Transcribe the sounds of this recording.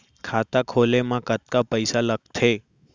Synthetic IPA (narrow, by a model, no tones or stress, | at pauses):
kʰat̪akʰolemãkət̪̚kapəjsalək̚t̪ʰe